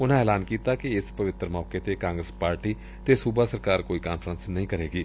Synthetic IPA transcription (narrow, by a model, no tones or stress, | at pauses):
ʊnãːɛːlaːnkiːt̪aːkɪɪspəʋɪt̪ːəɾmɔːkeːt̪eːkãːŋɡɾəspaːɾʈiː | t̪eːsuːbaːsəɾkaːɾkoːiːkaːnfʰɾənsnəɦĩːkəɾeːɡiː